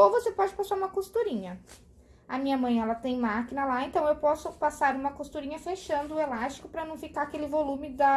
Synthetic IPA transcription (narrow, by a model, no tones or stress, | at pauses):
ovosepɔd͡ʒɪpasaɾũmɐkost̪uɾĩɲɐ | ɐmĩɲɐmɐ̃j̃ɛlɐt̪ẽj̃makinɐlaẽnt̪ɐ̃w̃ewpɔsʊpasaɾũmɐkost̪uɾĩɲɐfeʃɐ̃nd̪ʊːelast͡ʃi̥kʊpɾɐnɐ̃w̃fikaɐkelɪvolũmɪd̪ɐ